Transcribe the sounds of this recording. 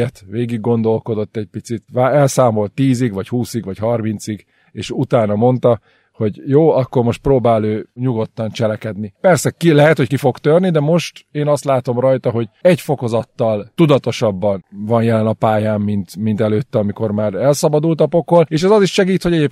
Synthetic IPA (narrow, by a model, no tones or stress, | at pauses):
ɛt̪ʋeːɡiɡːo̞nd̪o̞lko̞d̪o̞t̪ːɛc̚pit̪sit̪ʋaɛlsaːmo̞lt̪ːiːziɡʋɒchuːsiɡʋɒchɒrmint̪siɡ | eːʃut̪aːnɒmo̞nt̪ɒ | ho̞ɟjoːɒkːo̞rmo̞ʃt̪proːbaːløːɲuɡo̞t̪ːɒnt͡ʃɛlɛkɛd̪nipɛrsɛkilɛɦɛt̪hoc̚kifo̞kt̪ørnid̪ɛmo̞ʃt̪eːnɒst̪laːt̪o̞mrɒjt̪ɒɦo̞ɟɛɟfo̞ko̞zɒt̪ːɒlt̪ud̪ɒt̪o̞ʃɒbːɒnvɒnjɛlɛnɒpaːjaːmːint̪mint̪ɛløːt̪ːɛɒmiko̞rmaːɾɛlsɒbɒd̪ult̪ɒpokholeːʃɛzɒziʃʃɛɡiːt̪ho̞ɟɛeːp